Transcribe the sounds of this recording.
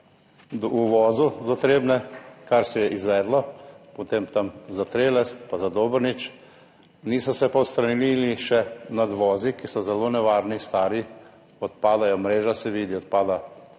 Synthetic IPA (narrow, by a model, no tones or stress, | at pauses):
d̪uʋɔːzuzat̪ɾeːbnɛkaɾsɛjɛʔizʋɛːd̪lɔpɔt̪eːmt̪amzat̪ɾeːlɛst̪pazad̪oːbəɾnit͡ʃ | niːsɔsɛpawst̪ɾanililiʃɛnad̪ʋɔːzikisɔzɛloːnɛʋaːɾnist̪aːɾi | ɔt̪paːd̪ajɔmɾeːʒasɛʋiːd̪iɔt̪̚paːd̪a